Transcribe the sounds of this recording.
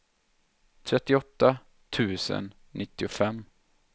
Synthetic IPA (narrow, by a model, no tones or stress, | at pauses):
t̪ʰɾɛt̪ːɪɔt̪ːa | t̪ʰʉ̟ːsə̰nːʔɪt̪ːɪʊfɛmː